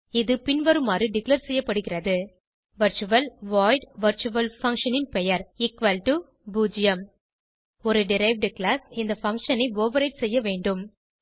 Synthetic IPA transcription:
ɪðɯpɪnʋɐɾɯmaːrɯɖɪklɐɾsɛjːɐpːɐɽɯɣɪrɐðɯ | ʋɐɾt͡ʃɯʋɐlʋaːɪɖʋɐɾt͡ʃʊʋɐlfɐŋkʂɐnɪnpɛjɐɾɪkʋɐlʈu | buːd͡ʒɪjɐm | ɔɾɯɖɪɾɐɪʋɖklaːsɪnd̪ɐfɐŋkʂɐnɐɪoːʋɐɾɐɪʈsɛjːɐʋeːɳɖɯm

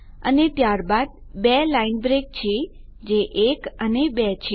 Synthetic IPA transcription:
ə̰net̪jaɾbad̪̚ | belainbɾek̚t͡ʃʰe | d͡ʒeʔekənebɛt͡ʃʰe

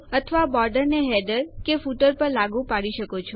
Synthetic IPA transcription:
ət̪ʰəʋabɔɾɖəɾneɦɛd̪əɾkefuʈəɾpəɾlaɡupaɽiʃəkot͡ʃʰo

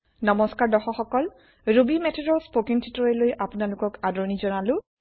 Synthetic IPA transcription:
nɔmɔskaɹdɔxɔxɔkɔl | ɹubimɛtʰedɔspokiŋtʰitɔɹɛlojʔapʊnalʊkɔkadɔɹnizɔnalʊ

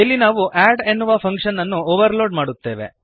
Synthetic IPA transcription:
ilːinaːʋuʔaːɖenːuʋɐpʰɐŋkʂɐnːɐnːuoːʋɐɾloːɖmaːɽut̪ːe̞ːʋḛ

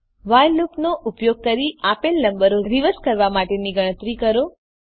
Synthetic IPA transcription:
ʋajlupnoʔupjoɡ̚kəɾiapelnəmbəɾoɾiʋəskəɾʋamaʈeniɡəɽ̃ət̪ɾikəɾo

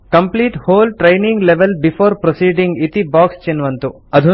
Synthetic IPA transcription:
kɐmpliːʈhoːlʈɾejniŋɡleʋelbifʰoːɾpɾosiːɖiŋɡit̪ibaːkst͡ʃenʋɐnt̪u | ɐd̪ʱu

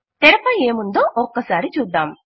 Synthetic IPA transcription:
t̪ɛɾɐpɐjeːmund̪oːʔɔkːɐsaːɾit͡ʃuːd̪ːaːm

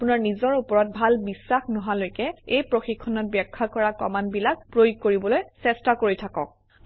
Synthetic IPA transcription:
punaɹnizɔɹupɔɹɔt̚bʱalbisːaxnɔɦalojkɛejpɹoxikʰːɔnɔt̚bjɛkʰːakɔɹakɔmanbilak̚pɹojuɡ̚koɹibɔlojsɛstakoɹijtʰakɔk̚

